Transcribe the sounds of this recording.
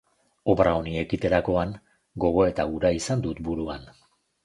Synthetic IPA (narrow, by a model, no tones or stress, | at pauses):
o̞pɾaonie̞kit̪e̞ɾako̞aŋ | ɡo̞ɣ̞o̞e̞t̪auɾaisand̪ut̪buɾuan